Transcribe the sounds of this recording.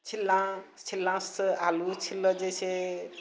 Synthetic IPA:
t͡ʃʰilːãt͡ʃʰilːãsalut͡ʃʰilːɔd͡ʒese

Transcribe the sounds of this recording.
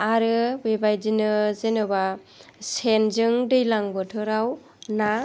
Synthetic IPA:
aɾɯbebajdinɯzenɯba | senzɯŋdɯjlaŋbɔtʰɯɾaw | na

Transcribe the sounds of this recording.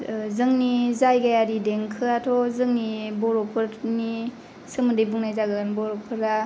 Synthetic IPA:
zɯŋnizajɡajaɾideŋkʰɯatʰɔzɯŋnibɔɾɔpʰɯɾni | sɯmɯdɯjbuŋnajzaɡɯnbɔɾɔpʰɯɾa

